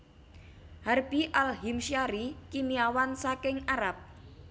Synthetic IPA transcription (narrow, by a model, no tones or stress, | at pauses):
harb̥iʔalɦimʃaɾikimiawansakɪŋaɾap̚